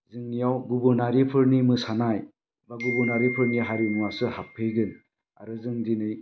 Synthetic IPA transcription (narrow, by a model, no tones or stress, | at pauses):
zɯŋnijawɡubɯɾnaɾipʰɯɾnimɯsanaj | baɡubuɾnaɾipʰɯɾniɦaɾinuwasɯhapʰːɯjɡɯn | a̰ɾɯzɯŋdinɯj